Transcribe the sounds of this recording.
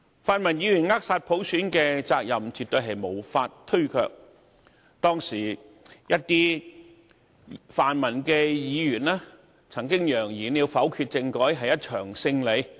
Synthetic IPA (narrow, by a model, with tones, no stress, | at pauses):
faː˨˧nmɐ˨˩njiː˨˧jyː˨˩nŋaː˥k̚saː˧t̚pʰo˨˥wsyː˨˥nkɛː˧t͡saː˧k̚jɐ˨mt͡ʃyː˨˩t̪ɵ˧ɥɦɐ˨jmo˨˩wfaː˧t̚t̪ʰɵ˥ɥkʰœ̰ː˧k̚ | t̪ɔː˥ŋsiː˨˩jɐ˥t̚t̪iː˥ | faː˨nmɐ˨˩nkɛː˧jiː˨˧jyː˨˩naː˥ | t͡sʰɐ˨˩ŋkɪ˥ŋjœː˨˩ŋjiː˨˩nliː˨˧wfɐ˨˥wkʰyː˧t̚t͡sɪ˧ŋkɔː˨˥jɦɐ˨jːɐ˥t̚t͡ʃʰœː˨˩ŋsɪ˧ŋle˨˧˥j